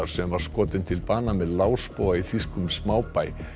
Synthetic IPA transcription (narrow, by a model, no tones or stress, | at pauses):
aɾ̥sɛmvaɾ̥skɔːt̪ɪnt̪ʰɪlpaːnamɛðlaːwspowɣaiθiskʏmsmaːwpaːj